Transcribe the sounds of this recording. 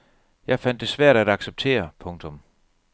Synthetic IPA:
jɑ̈ɪfæn̰d̥ːe̝sʋæɐ̰ɾ̥æd̥ɑ̈ɡ̥seb̥̚t͡sʰe̝̰ːɐpʰɔ̽ŋt͡sʰɔ̽m

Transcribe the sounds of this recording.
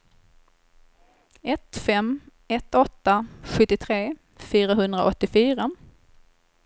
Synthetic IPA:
ɛt̪fɛmː | ɛt̪ːɔt̪ːaɧɵt̪ːɪt̪ʰɾeː | fyːɾaɦɵnd̪ɾa̰ʔɔt̪ːɪfyːɾa

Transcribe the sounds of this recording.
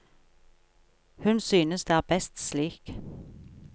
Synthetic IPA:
hʉnsyːnəsd̪eæːʁbɛst̪sliːk

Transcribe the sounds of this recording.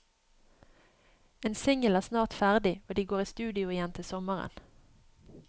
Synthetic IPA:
eːnsɪŋəlæːʁsnɑːʁt̪fæʁd̪ɪoːd̪iːɡoːʁiːst̪ʉːd̪ɪʊɪjɛnt̪ʰɪsɔməʁə̰n

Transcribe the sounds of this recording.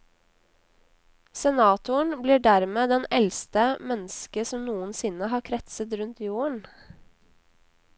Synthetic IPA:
sɛnɑːt̪ʊəɳbliːɖæɾmeːd̪ɛnɛlst̪əmɛnskəsɔmnuːənsɪnəhɑːɾkʰɾɛt̪sət̪ɾʉnt̪juːəɳ

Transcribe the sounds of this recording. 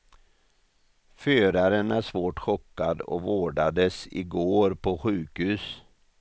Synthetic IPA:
føːɾaɾənæʂvoːʈɧɔkːad̪ɔ̰voːɖad̪əsɪ̰ɡoːɾpʰɔɧʉ̟ːkhʉ̟ːs

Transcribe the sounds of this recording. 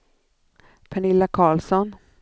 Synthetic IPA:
pʰɛnɪlːakʰɑːɭsɔn

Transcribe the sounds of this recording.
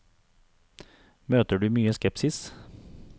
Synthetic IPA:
møːt̪əɖʉːmyːəskɛpsɪs

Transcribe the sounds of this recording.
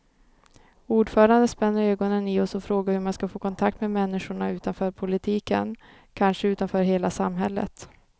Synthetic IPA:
uːɖfœːɾand̪əspɛnːəɾøːɡɔnənɪɔsɔfɾoːɡaɾhɵɾmanskafoːkʰɔnt̪ʰak̚t̪meːmɛnːɪʂʊɳaʉ̟ːt̪anfœːɾpʰʊlɪt̪ʰiːkə̰n | kʰanʂəʉːt̪anfœːɾɦeːlasamɦɛlːə̰t̪

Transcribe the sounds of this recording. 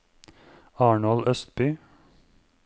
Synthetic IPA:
ɑːɳɔlœst̪̚bʏ

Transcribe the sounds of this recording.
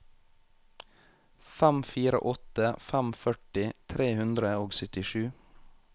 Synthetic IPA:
fæmfiːɾə̰ʔɔt̪əfæmfœʈɪt̪ʰɾeːhʉnd̪ɾəoːɡsœt̪ɪʃʉː

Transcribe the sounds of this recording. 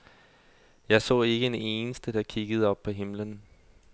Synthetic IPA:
jɑ̈ɪsɔ̰ːe̝ɡ̥əd̥ee̝ːnəsd̥əd̥ɑ̈kʰiɡ̥əð̞̩ˠɒ̽b̥̚pʰɒ̽ɦe̝mlən

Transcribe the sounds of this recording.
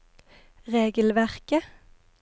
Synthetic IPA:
ʁeːɡəl̩ʋæʁkə

